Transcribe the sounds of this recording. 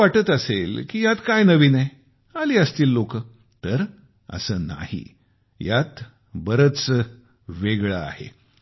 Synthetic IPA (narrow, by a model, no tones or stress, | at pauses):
aʈət̪əselkiːjat̪kajnəʋiːnəj | aliːəst̪iːlːokə | t̪əɾ | ə̰səːna̰hḭ | jat̪ | bəɾət͡s | ʋeɡɭaa̰hḛ